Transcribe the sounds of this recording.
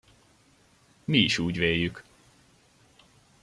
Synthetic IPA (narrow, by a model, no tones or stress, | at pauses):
miiʃuːɟveːjːyk